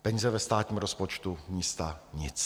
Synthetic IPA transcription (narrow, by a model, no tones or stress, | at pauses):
pɛɲizɛvɛst̪aːt̪ɲiːmɾo̞spo̞t͡ʃt̪umiːst̪aɲɪt͡s